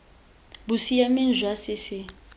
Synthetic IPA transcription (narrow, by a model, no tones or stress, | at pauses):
busijamɪnd͡ʒʱwasɪsɪ